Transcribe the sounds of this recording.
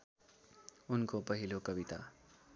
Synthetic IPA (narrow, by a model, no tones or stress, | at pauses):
unkopʌɦilokʌbit̪a̰